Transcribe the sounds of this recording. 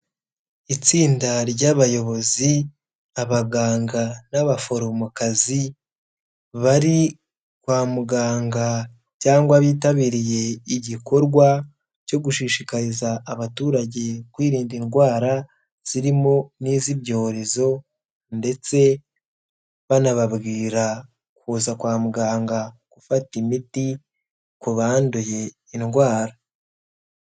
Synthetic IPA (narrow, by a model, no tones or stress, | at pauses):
it͡siːndaɾɟaβajo̞βo̞zi | aβaɡaːŋɡanaβafo̞ɾomukazi | βaɾi | kwaːmuɡaːŋɡa | caːŋɡwaβiːtaβiːɾije̞iɟiko̞ɾɡwa | co̞ɡuʃiʃikaɾizaːβatuːɾaɟe̞kwiːɾiːndinɡwaːɾa | z̥iɾimo̞niːziβɟo̞ːɾe̞zo̞ | nde̞t͡se̞ | βanaβaβɡiːɾa | kuːzakwaːmuɡaːŋɡakufatimiti | kuβaːnduje̞ | inɡwaːɾa